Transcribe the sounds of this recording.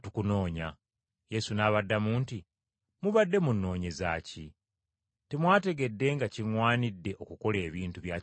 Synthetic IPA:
tukuno̞ːɲa | je̞sunaːβadːamuːnti | muβadːe̞munːo̞ːɲe̞za̰ːci | temwaːte̞ɡe̞dːe̞ŋɡaciŋwaːnidːe̞ʔo̞kuko̞le̞ːβiːntuβjaː

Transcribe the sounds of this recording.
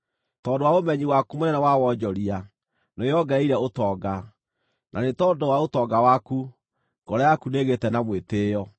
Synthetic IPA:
tɔːndowaomɛɲiwakumonɛnɛwawɔd͡ʑɔɾia | nojɔɡɛiɾɛotɔːɡa | nʔanetɔdowaotɔɡawaku | ŋɡ̥ɔɾajakuneɣetɛnamweteːjɔ

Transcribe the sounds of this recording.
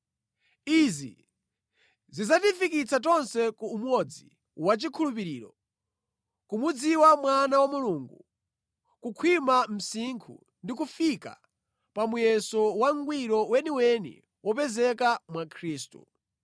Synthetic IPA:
izḭ | zizatifikit͡sʰatɔnsɛkuːmwɔd͡zḭ | wat͡ʃikʰulup̬iɾiːɾɔ | kumud͡ziwamwanawamuluŋɡu | kukʰwimam̩siŋkʰṵ | ndikufika̰ | pamujɛsɔwaŋɡwiɾɔwɛniwɛnḭ | wɔpɛzɛkamwakʰɾiːstṵ

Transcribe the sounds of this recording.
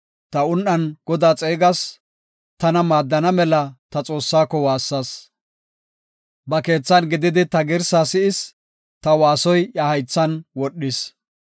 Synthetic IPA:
t̪ɐʊnʔɐnɡ̥ɔd̪aːt͡sʼeːɡɐs | t̪ɐnɐmaːd̪ːɐnɐmɛlɐt̪ɐt͡sʼo̞ːsːaːkːɔwaːsːɐs | bɐke̞ːt͡sːɐnɡɪd̪ɪd̪ɪt̪ɐɡɪɾsaːsɪɪs | t̪ɐwaːsɔjɐhɐjt͡sːɐnwɔɗːɪs

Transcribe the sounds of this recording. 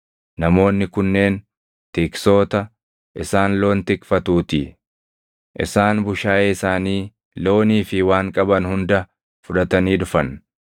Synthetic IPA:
nɐmo̞ːnːɪkʊnːe̞ːn | t̪ɪkso̞ːt̪ɐ | ʔɪsaːnlo̞ːnt̪ɪkfɐt̪uːt̪i | ʔɪ̰saːnbʊʃaːʔeːɪsaːniː | lo̞ːniːfɪwaːŋkʼɐbɐnhʊnd̪ɐ | fʊᶑɐt̪ɐniːd̪ʊfɐn

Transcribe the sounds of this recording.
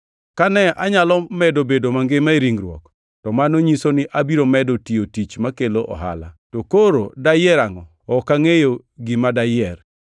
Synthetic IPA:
kanɛaɲalɔmɛdobedomaŋɡɪmaeɾiŋɾwɔ̰k | tɔmanoɲisonɪʔabiɾomɛdotiotit͡ʃmakeloʔɔ̰ɦa̰la̰tokoɾodajɛɾaŋɔ | ɔkaŋejo | ɡɪmadajɛr

